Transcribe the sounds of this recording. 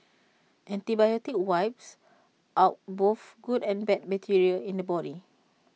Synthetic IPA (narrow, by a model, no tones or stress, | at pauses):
ʔɛ̃ntibajɔtik̚wajps | ʔaʊt̚boθɡudɛ̃nbɛt̚mətʰiɹiəĩndəbɔɾi